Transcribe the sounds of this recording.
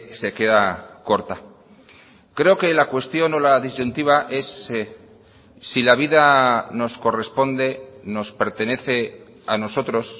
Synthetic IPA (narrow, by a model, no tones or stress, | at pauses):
se̞ke̞ðako̞ɾt̪a | kɾe̞o̞ke̞lakwe̞st̪jo̞no̞laðizʝunt̪iβaʔe̞s | ilaβ̞iðano̞sko̞re̞spo̞nd̪e̞no̞spe̞ɾt̪e̞ne̞θe̞ | ano̞so̞t̪ɾo̞s